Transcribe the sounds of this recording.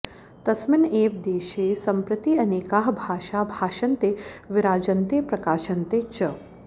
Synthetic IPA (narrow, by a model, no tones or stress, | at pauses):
t̪ɐsmɪneːʋd̪eːʃeːsɐmpɾɐt̪iːɐneːkaːɦbʱaːʃaːbʱaːʃɐnt̪eːʋɪɾaːd͡ʒɐnt̪eːpɾɐkaːʃɐnt̪eːt͡ʃɐ